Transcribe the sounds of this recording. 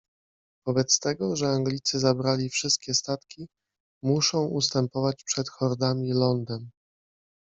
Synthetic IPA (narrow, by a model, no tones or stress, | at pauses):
v̥ɔbɛt̪st̪ɛɡɔʐɛaŋɡlʲit̪sɘzabɾalʲifʂɘst̪̚kʲɛst̪at̪kʲi | muʂɔ̃w̃ʔust̪ɛmpɔvat͡ɕpʂɛt̪xɔɾd̪amʲilɔnd̪ɛm